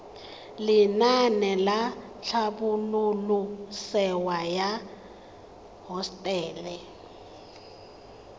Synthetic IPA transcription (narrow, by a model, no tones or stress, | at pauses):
lɪnanɛla | ɬʰaɓululusɛwaja | ɦɔstʼɛːlɛ